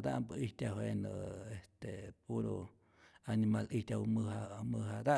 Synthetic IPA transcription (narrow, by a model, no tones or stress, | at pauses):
d̪aʔmbəiht̪ʲaɦwenə̰est̪epuɾo | animalihtʲawmɨɦamɨɦad̪a